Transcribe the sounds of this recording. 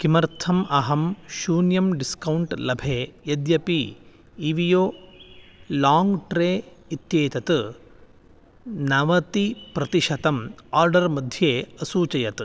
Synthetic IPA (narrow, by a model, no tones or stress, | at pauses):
kimɐɾt̪ʰɐmɐɦɐmʃuːnjɐmɖiskɐwuɳʈlɐbʱeːjɐd̪jɐpiː | ʋijoː | laːŋɡʈɾeːit̪jeːt̪ɐt̪ | nɐʋɐt̪ipɾɐt̪iʃɐt̪ɐmaːɾɖɐɾmɐd̪ʱjeːɐsuːt͡ʃɐjɐt̪